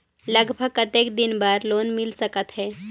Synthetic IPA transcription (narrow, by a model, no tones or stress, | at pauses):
ləɡbʱəɡkət̪ekd̪inbaɾloːnmɪlsəkət̪ɦɛː